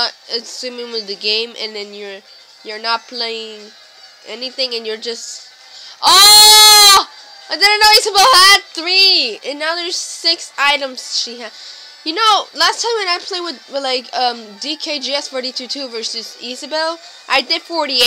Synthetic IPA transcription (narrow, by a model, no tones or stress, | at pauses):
ɨsɪ̃mɪ̃ŋwiðɨɡẽɪ̃mʔɨ̰̃nðɨ̃njə˞ | jə˞nət̚pʰl̥eɪɪ̃ŋ | ʔɛniθɪ̃ŋɨ̃njə˞d͡ʒʌst | ʔo | aɪdɪdn̩noʊisəbɛlˠæd̚θɹiɨ̃nːaʊðə˞z̥sɪksaɪɾə̃mz̥ʃiɨ | jɨnoʊlæstʰãɪ̃mwɨ̃naɪpʰl̥eɪwɨðwɨðlaɪkʰʌ̃mdikʰeɪd͡ʒiɛsfɔɹɾitʰʉtʰʉvɜ˞sɨzisɨbɛlˠ | ʔaɪdɪd̥fɔɹɾi